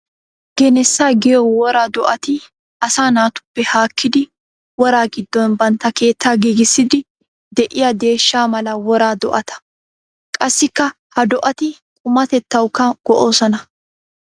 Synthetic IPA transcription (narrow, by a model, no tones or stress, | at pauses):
ɡ̥ɛnɛsːaːɡɪjɔwɔɾaːd̪ɔʔɐt̪ɪ | ʔɐsaːnaːt̪ʊ̥pːɛhaːkʰːɪd̪ɪ | wɔɾaːɡɪd̪ːɔnbɐnt̪ːɐke̞ːt̪ʰːaːɡiːɡɪsːɪd̪ɪ | d̪ɛʔɪjɐd̪e̞ːʃːaːmɐlɐwɔɾaːd̪ɔʔɐt̪ɐ̥ | kʼɐsːɪkːɐ | hɐd̪ɔʔɐt̪ɪkʼʊmɐt̪ɛt̪ːɐwkːɐɡ̥ɔʔoːsɔnɐ